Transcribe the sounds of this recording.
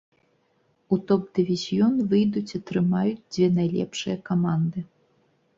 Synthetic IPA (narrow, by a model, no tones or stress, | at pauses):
ut̪ɔp̚d̪ɨvʲizʲjɔnvɨjd̪ut͡sʲat̪ɾɨmajud͡zʲd͡zʲvʲɛnajlʲɛ̰pʂɨjɐkamand̪ɨ